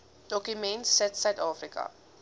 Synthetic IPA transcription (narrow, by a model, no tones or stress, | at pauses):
d̥ɔkymɛ̃ntsɛtsœɥtɑːfrikɐ̰